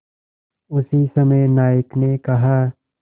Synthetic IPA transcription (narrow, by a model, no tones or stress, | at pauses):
ʊsisɐməjnaːjəknekɐɦaː